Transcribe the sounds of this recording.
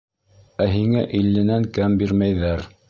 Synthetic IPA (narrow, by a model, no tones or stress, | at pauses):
æɦiŋæʔilːɘ̆næŋkæmbiɾmæjðæɾ